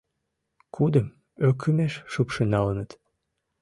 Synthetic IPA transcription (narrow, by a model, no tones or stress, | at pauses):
kʰud̪əm | økʰymeʃʃupʃənɑlənət̪